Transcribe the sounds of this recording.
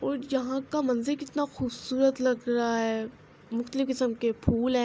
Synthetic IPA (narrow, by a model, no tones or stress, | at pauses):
ɔːɾjɐɦãkamɐ̃nzɪlkɪt̪naxʊːbsuːɾət̪lɐɡɾaaɦɛː | mʊxt̪əlɪfkɪsəmkepʰuːlɦɛ̃